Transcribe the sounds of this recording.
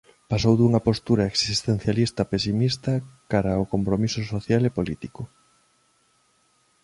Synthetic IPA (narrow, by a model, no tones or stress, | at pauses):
pasowðuŋɐpost̪uɾɐeksist̪en̟θjalist̪ɐpesimist̪ɐkaɾaokompɾomisʊsoθjalepolit̪ikʊ